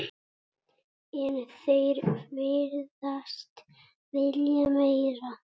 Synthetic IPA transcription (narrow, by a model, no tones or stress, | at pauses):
ɛnθejɾvɪɾðast̪ | vɪljamejɾa